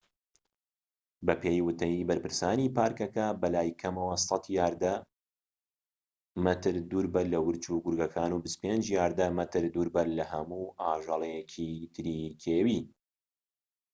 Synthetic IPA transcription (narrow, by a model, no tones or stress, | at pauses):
bɐpʰeːjwɨt̪ɐjibɐɾpɨɾsaːniːpaːɾkɐkɐbɐlaːjkʰɐmɐwɐsɑt̪jaːɾd̪ɐ | mɐt̪ɨɾd̪uːɾbɐlɐwɨɾt͡ʃuːɡʊɾɡɐkʰaːnuːbɨst̪peːnd͡ʒjaːɾd̪ɐmɐt̪ʰɨɾd̪uːɾbɐlɐhɐmuːʔaːʒɑlˠɛjɛcʰit̪ʰɨɾikʰeːwi